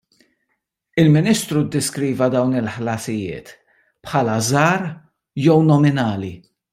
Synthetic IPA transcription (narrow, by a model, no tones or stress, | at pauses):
ɪlmɪniːst̪ɾud̪ːɛskɾiːvɐd̪ɐwnɪlħlɐsɪjɪ̰ːt̪ | pħɐːlɐzɐːɾ | jɛwnɔmɪnɐːli